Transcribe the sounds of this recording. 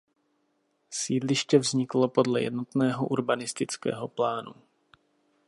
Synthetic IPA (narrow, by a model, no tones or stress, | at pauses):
siːdlɪʃcɛvzɲɪklo̞po̞dlɛ̰jɛ̰dno̞t̪nɛːɦo̞ʔuɾbanɪst̪ɪt͡skɛ̰ːɦo̞plaːnṵ